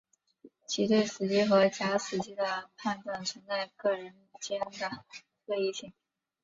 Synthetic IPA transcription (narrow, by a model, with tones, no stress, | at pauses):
t͡ɕʰi˧˥t̪we˥˩ɪsɹ̩˨˩t͡ɕi˥xɤ˧˥t͡ɕja˧˥sɹ̩˨˩t͡ɕi˥d̪ə˧pʰa˥˧nʈ͡ʂ̪wa˥˩nt͡sʰə˧˥ŋt͡sa˥˧ɪkɤ˥˩ɻə˧˥n | t͡ɕjɛ˥nd̪ə˧˩ | xe˥˧i˥˧ɕi˥˩ŋ